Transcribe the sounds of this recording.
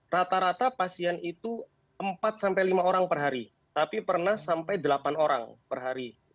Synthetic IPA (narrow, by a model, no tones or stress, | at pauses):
rat̪aɾat̪apasianit̪u | əmpat̪̚sampajlimaoɾaŋpərɦaɾi | t̪apipərnahsampajd̪əlapanoɾa̰ŋpərɦaɾi